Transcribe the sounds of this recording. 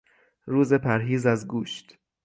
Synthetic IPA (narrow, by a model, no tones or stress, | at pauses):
ɾuːze̞pʰæɾɦiːzæzɡuːʃt̪